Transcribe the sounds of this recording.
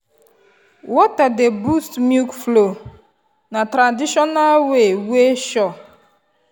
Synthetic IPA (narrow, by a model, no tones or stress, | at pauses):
wɔtadebustmjukflo | natɾandiʃɔnalweweʃɔ